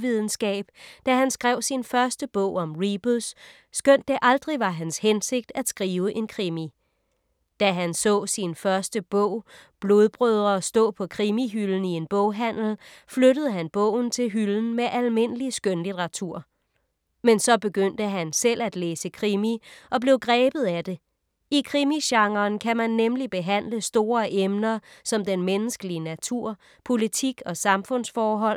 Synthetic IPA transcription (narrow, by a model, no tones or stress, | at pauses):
ʋiðˠn̩sɡ̥ɛ̰ːb̥̚d̥æɦænsɡ̥ʁɛʊ̰sinfɶɐsd̥əb̥ɔʊ̰ɒ̽mʁib̥usː | ɡ̥øn̰d̥ːe̝ʔɑ̈ld̥ʁiʋɑ̈ɦænshense̝ɡ̥̚d̥æd̥sɡ̥ʁiːʊəʔe̝nkʰʁimi | d̥æɦænsɔ̰̽ːsinfɶɐsd̥əb̥ɔ̰ʊ̰b̥lo̝ð̞ˠb̥ʁøðˠɐsd̥ɔ̰̽ːpʰɒ̽kʰʁimiɦyln̩ie̝nb̥ɔʊ̰ɦæn̰l̩fløɾəð̞̩ˠəɦænb̥ɔ̰̽ʊ̰n̩t͡sʰe̝lɦyln̩meʔælme̝n̰əlisɡ̥ønlid̥ʁɑ̈t͡sʰuɐ̰ | mensɒ̽b̥e̝ɡ̥øn̰d̥əɦænsel̰æd̥leːsəkʰʁimiʔɒ̽b̥le̝ʊɡ̥ʁɛːb̥ð̞̩ˠæd̥e̝ | ikʰʁimiɕɑ̈ŋɐːnkʰæmænːemlib̥e̝ɦæn̰ləsd̥o̝ːɐʔemnɐsɒ̽md̥enmenəsɡ̥əliənæt͡sʰuɐ̰ | pʰo̝lit͡sʰiɡ̥ɒ̽sɑ̈mfɔ̽n̰sfɒːɦɒ̽l̰